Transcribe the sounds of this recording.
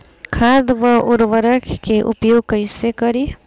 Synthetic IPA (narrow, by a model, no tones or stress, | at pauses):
kʰaːd̪ʋəʔʊɾʋəɾəkʰkeʔʊ̰pjoːɡ̚kəɪsekəɾi